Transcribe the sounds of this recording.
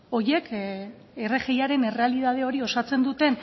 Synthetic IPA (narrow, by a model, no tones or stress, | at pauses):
o̞je̞k | ereɣe̞jaɾe̞ne̞re̞aliðað̞e̞o̞ɾio̞sat͡se̞nd̪ut̪e̞n